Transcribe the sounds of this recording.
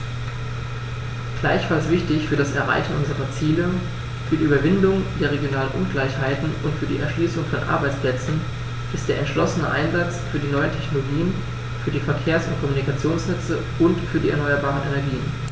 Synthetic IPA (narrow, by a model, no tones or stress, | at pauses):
ɡ̥laɪçfalsv̥ɪçtɪçfyːɐɾasɛɐʁa̰ɪçn̩ʔʊnzəʁɐt͡siːlə | fyːɐdiːʔyːbɐvɪndʊŋd̥eːɐʁeɡjonaːlənʔʊ̰nɡlaɪçhaɪtn̩ʔʊntfyːɐdḭːʔɛɐʃliːsʊŋfɔnʔa̰ɐbaɪt͡spl̥ɛt͡sn̩ | ʔɪstd̥eːɐʔɛntʃlɔsənə̰ʔa̰ɪnzat͡sfyːɐdiːnɔʏəntʰɛçnoloɡiːən | fyːɐdiːfɛɐkʰeːɐsʊntkʰɔmunikat͡sjoːnsnɛt͡sə | ʔʊntfyːɐdiːɛɐnɔʏɐbaːʁ̞ənʔenɛɐɡiːən